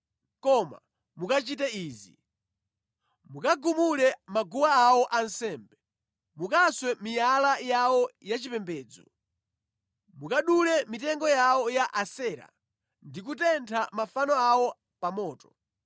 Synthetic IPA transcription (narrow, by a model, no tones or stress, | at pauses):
kɔma̰ | mukat͡ʃitɛiːzi | mukaɡumulɛmaɡuwaːwɔʔansɛːmbɛ | mukaswɛmijalajawɔjat͡ʃipɛmbɛːd͡zɔ̰ | mukaɗulɛmitɛŋɡɔjawɔjaʔasɛːɾa̰ | ndik̬utɛntʰamafanɔawɔ | pamɔːtɔ